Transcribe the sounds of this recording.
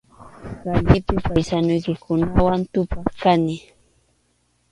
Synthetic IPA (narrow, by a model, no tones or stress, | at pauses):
ɾankɪpɪpajsanʊjkɪkʊnawant̪ʊpɑχkanɪ